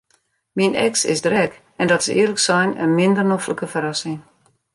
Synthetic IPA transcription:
minɛ̰ksɪ̰sdrɛk | ɛndɔtsəɪərləksɛjnə̰nmɪndərnofləkəfəɾɑsɪŋ

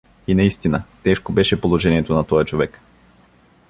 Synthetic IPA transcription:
inɐist̪inət̪ɛʃkobɛʃɛpolˠoʒɛniɛt̪onɐt̪ɔjɐt͡ʃovɛk

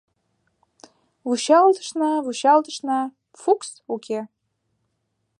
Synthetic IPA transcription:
vuɕɑlt̪ə̥ʃnɑvuɕɑlt̪əʃnɑ | fuks | ukʰʲe

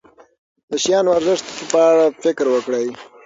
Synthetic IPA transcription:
d̪̥əʃjɑnwaɾzɪʂt̪pəaɽafɪkɾwəkɽaj

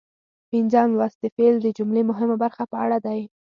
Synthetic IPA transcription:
pɪnzɑnlwɑst̪əfeld̪əd͡ʒʊmlemʊɦɪmabaɾxapəa̰ɽad̪aj

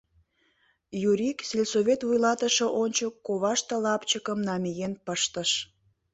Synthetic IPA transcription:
juɾikselʲsoβʲet̪vujlɑt̪əʃə̆ʔonʲt͡ɕəkːoβɑʃt̪əlɑpt͡ɕəkəmnɑmʲijenpəʃt̪əʃ

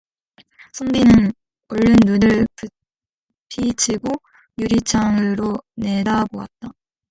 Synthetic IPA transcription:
sʰoŋbinɯn | oɭːɯnːunɯɭpɯ | pʰit͡ɕʰiɡo | juɾit͡ɕʰaŋɯɾone̞daboa̰t̚t͈a

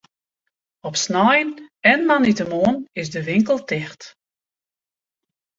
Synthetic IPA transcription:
ɔpsnɔjnɛnmanitəmoənɪsdəʋɪŋkəlˠtɪxt

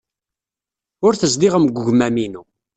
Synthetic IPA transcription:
ʊɾθəzd̪iʁəmɡʷːəʝmæminu

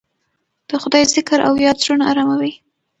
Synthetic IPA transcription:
d̪̥əxʊd̪ɑjzɪkɾa̰wjɑd̪ʒunaa̰ɾamawi

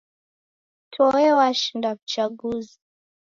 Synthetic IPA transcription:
tʰɔɛwaʃindavut͡ʃaɠuzi

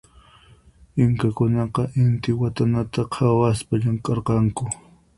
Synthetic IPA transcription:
ɪŋkakʊnɑqɑʔɪnt̪ɪwat̪anat̪aqʰawaspaʎaŋkʼɑɾqɑŋkʊ

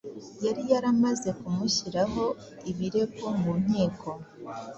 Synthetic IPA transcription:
jaɾijaɾamaze̞kumuçiɾaɦo̞ | iβiɾe̞ɡo̞mum̥hiːkʰo̞

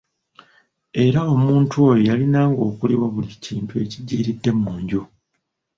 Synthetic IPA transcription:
e̞ɾao̞muːntʰuo̞jojalinaːŋɡo̞ːkuliβwaβuliciːntue̞ciɟːiːɾidːe̞mːuːɲɟo

